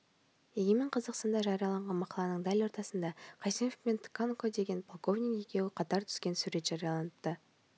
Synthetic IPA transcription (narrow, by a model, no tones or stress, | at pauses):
eɡʲemɪɴqʰɑzɑqst̪ɑnd̪ɑʒɑɾijɑlˠɑɴʁɑnmɑqɑlˠɑnəɴd̪ælo̞ɾt̪ɑsənd̪ɑqʰɑjsimofpent̪ʰkʰankod̪e̞ɡʲe̞npʰolˠkovnʲikje̞kʲe̞wɪqʰɑt̪ɑɾt̪ʰʏ̥skʲe̞nsuɾe̞t̪ʒ̥ɑɾijɑlˠɑnəp̚t̪ə